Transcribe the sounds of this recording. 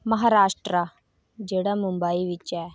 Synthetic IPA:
mɐɦaːɾaːʃʈɾa | d͡ʒeːɽamʊ̃mbaːiʋɪt͡ʃɛː

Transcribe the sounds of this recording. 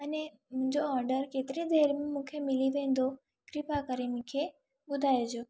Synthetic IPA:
əne | mũɲd͡ʒoɔɾɖəɾket̪ɾid̪eɾmãmũkʰemiliʋẽnd̪ʱo | kɾipakəɾemũkʰe | bʊd̪ʱajed͡ʒo

